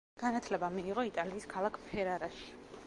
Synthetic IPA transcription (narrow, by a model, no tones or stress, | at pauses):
ɡ̥anat̪ʰlɛbamiːʁɔit̪ʼaliːskʰalˠakʰpʰɛɾaɾaʃi̥